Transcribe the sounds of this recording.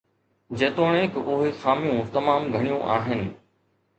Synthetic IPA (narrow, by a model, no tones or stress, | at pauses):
d͡ʑeːt̪oːɽ̃ẽːkɪʔʊɦexaːmijũt̪ɐmaːmɡʱɐɽ̃ijũʔa̰ːɦɪnɪ̆